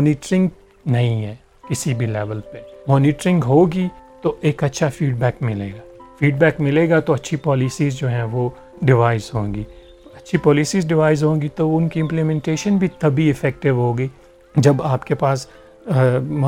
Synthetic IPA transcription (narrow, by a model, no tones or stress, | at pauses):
mɔːnɪːʈɾɪ̃ŋɡ | nɐɦĩɦɛː | kɪsibʱilɛːʋəlpemɔːnɪʈɾɪ̃ŋɡɦoːɡit̪oʔeːkɐtːʃʰafiːɖbɛːkmɪlḛːɡaː | fiːɖbɛːkmɪleːɡat̪oɐtːʃʰipɔːlisiːzd͡ʒoːɦɛ̃ʋo | ɖɪʋaːɪzɦõːɡiː | ɐtːʃʰipɔːlisiːzɖɪʋaːɪzɦõːɡit̪oʊnkiɪ̃mplimɛ̃ɳʈeːʃənbʱit̪ɐbʱiɪfɛːk̚ʈɪʋɦoːɡiː | d͡ʒɐbaːpkepaːs